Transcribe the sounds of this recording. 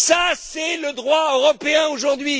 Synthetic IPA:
sasɛləd̪ʁwaøʁɔpeɛ̃oʒuʁd̪ɥi

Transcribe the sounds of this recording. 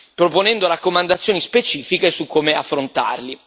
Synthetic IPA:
pɾoponɛnd̪oɾakːomand̪at̪sːjoːnispet͡ʃiːfikesukːomeafːɾont̪a̰rli

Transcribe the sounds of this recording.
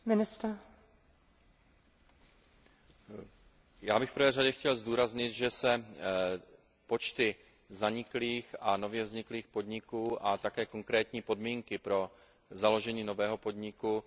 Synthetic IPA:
mɪnɪst̪ɾa | jaːbɪxfpɾ̩r̩vɛːraɟɛxcɛlzd̪uːɾazɲɪt̪ʒɛsɛ | po̞t͡ʃt̪ɪ | zaɲɪkliːxano̞vjɛvzɲɪkliːxpo̞d̪ɲɪkuːʔat̪akɛːko̞ŋkɾɛːt̪ɲiːpo̞dmiːŋkɪpɾo̞ | zalo̞ʒɛɲiːno̞vɛːɦo̞po̞d̪ɲɪku

